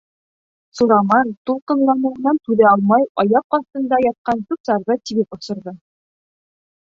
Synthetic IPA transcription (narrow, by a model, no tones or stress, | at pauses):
suɾɑmɑnt̪ulˠqɤ̆ɴlˠɑnɤ̆ɤ̆nɑnt̪ʉðæɑlˠmɑjɒjɑp̚qɑθt̪ɤ̆nd̪ɑjɑt̪̚qɑnt̪ʉpsɑɾðɤt̪iβɘpŏsɤ̆ɾðɤ